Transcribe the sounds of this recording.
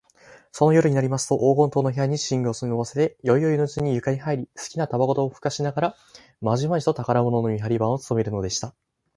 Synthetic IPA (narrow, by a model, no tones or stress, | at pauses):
so̞no̞jo̞ɾɯ̟ɲ̟inaɾʲimasɨ̥t̪o̞ʔoːɡõ̞nt̪oːnoɦejaɲ̟iɕĩŋɡɯosɨnɯβase̞t̪e̞jo̞io̞inot͡siɲ̟ijɯ̟kaɲ̟iɦaiɾʲisɨ̥kʲinat̪abaɡo̞t̪o̞ːɸɯ̟̥kaɕinaɡaɾa | maʑimaʑit̪ot̪akaɾamo̞no̞no̞mʲiɦaɾʲibãɰ̃o̞t͡sɨ̥t̪o̞me̞ɾɯ̟no̞d̪e̞ɕi̥t̪a